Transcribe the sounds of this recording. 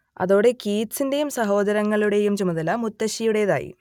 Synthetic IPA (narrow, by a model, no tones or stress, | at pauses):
ɐ̰ðo̞ːɽe̞kiːtsinde̞jumsɐɦo̞ːd̪ɐɾɐŋːɐɭuɽe̞jumt͡ɕumɐðɐlɐmut̪ːɐɕijuɽejɐða̰ːjḭ